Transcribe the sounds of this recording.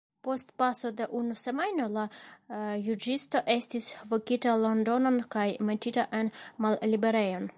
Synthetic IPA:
po̞stpaso̞de̞ʔunuse̞majno̞la | jud͡ʒisto̞ʔe̞stisvokitalo̞ndo̞no̞nkajmet͡ʃitaʔe̞nmallibe̞ɾe̞jo̞n

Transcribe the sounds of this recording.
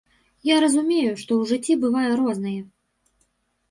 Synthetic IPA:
jaɾɐzumʲejuʂt̪ɔwʐɨt͡sʲːibɨvajɛɾɔznɨjɛ

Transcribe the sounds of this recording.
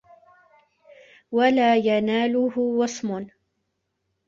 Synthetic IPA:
walaːjanaːlʊhʊwɑsˤmʊn

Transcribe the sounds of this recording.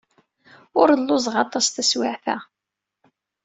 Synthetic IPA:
ʊɾəlːʊzˤʁɑt̪ˤɑsθæswaʕθæ

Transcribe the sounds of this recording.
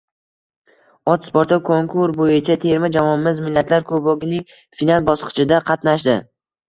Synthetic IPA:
ɒt̪spoɾt̪ʰɔkʰoŋkʰʊɾbojɪt͡ʃʰat̪ʰe̞ɾmɪd͡ʒamɒnmɪzmɪlːat̪ʰlaɾkʰobɒɡʲɪnɪŋ | finalˠbɒsqɨ̥t͡ʃɪd̪aqʰɑt̪naʃd̪ɪ

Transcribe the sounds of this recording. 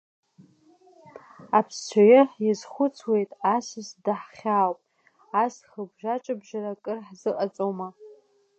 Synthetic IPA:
apʰst͡ʃʷʰajɪħjɪzχʷʊt͡sʰwe̞jtʼasʷɨsdaħχʲawpʼ | asχəbʒʷat͡ʃʼabʒarakʼɨrħzɨʔʼat͡sʼoma

